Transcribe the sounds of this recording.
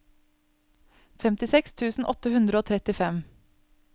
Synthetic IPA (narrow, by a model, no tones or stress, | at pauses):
fɛmt̪ɪsɛkst̪ʰʉːsn̩ʔɔt̪əhʉnd̪ɾəoːt̪ʰɾɛt̪ɪfɛm